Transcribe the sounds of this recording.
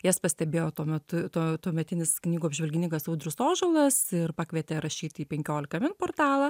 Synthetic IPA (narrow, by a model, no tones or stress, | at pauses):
jɛspɐsʲt̪ʲɛbʲeːjoːt̪uɔmʲɛt̪ʊt̪oːt̪uɔmʲɛt̪ʲɪnʲɪsknʲiːɡuɐbʲʒʲʋʲɛlʲɡʲɪnʲɪŋkɐsɐʊd̪ʲɾʲʊsoːʒolˠɐsɪrpɑːkʋʲiɛt̪ʲeːɾɐʃʲiːt̪ʲiːpʲɛŋʲkʲoːlʲɪkɐmʲɪnpoːrt̪ɑːlˠɐ